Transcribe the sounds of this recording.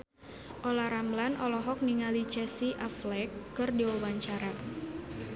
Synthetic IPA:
ʔɔlaɾamlanʔɔlɔɦɔk̚niŋalit͡ʃɛsiʔaflɛkːɨrdiwawaɲt͡ʃaɾa

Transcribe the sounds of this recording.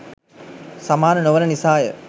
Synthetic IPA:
samaːnənoʋənənisaːjə̰

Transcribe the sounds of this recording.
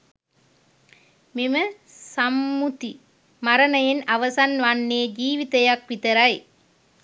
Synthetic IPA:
mimɐ | sɐmːut̪i | mɐɾɐnɐjenɐʋɐsanʋɐnːeːd͡ʒiːʋit̪ɐjɐk̚pit̪ɐɾɐj

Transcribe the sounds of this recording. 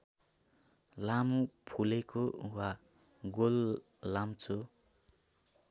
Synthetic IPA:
lamupʰulekowa | ɡolː | amt͡sʰo

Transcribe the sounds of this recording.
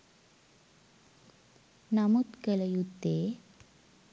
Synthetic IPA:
namut̪keləjut̪ːe

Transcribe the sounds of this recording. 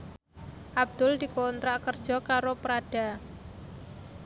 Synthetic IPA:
ʔab̚d̪̥ʊld̪̥i̤kont̪ɾakərd̥ʒ̥ɔ̤kaɾopɾad̥a̤

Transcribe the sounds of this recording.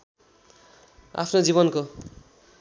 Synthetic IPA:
a̰pʰnod͡ziβʌnko

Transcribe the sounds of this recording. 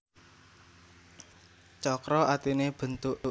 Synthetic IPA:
t͡ʃɔkɾɔat̪ineb̥ə̤nt̪ʊʔ

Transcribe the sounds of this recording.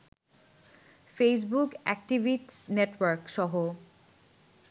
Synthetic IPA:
fes̬bukɛ̰kʈibʱiʈsneʈwaɾkʃɔɦo

